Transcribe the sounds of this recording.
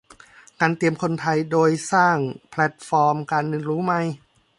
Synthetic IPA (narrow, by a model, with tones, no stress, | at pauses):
kaː˧nt̪i˧əmkʰo˧nt̪ʰa˧jdoː˧jsaː˥˩ŋpʰlɛ˧˥t̪̚fɔː˧mkaː˧nːɯ˧nɾuː˦˥ma˧˩j